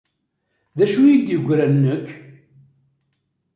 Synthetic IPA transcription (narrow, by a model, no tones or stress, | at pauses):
ðæʃujid̪jəɡʷːɾænːəkː